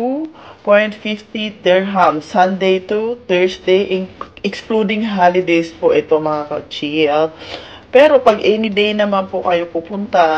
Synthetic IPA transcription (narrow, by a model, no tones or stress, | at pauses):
upojnt̪̚fift̪it̪ɛɹɦamsɐnd̪ejt̪ut̪ɛɹsd̪ejʔɪŋʔɛksklud̪ɪŋɦalɪd̪ejspoʔɛt̪oŋmɐŋakɐt͡ʃiɛl | pɛːɾopɐɡʔɛnɪd̪ejnɐmanpokɐjopupʊnt̪a